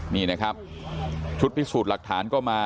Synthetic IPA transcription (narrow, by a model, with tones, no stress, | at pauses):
niː˥˩na˦˥˩kʰɾa˦˥p̚ | t͡ɕʰu˦˥t̪̚pʰi˦˥suː˨˩t̪̚la˨˩k̚t̪ʰaː˩˦˥nkɔː˥˩maː˧